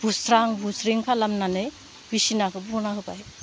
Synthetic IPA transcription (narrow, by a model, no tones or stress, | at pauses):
b̥ʱusɾaŋbusɾiŋkʰalamnanɯj | bisinakʰɯbuɾnaɦɯbaj